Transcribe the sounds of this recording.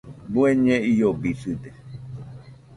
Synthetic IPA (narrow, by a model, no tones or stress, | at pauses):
bueɲẽijobisɨd̪e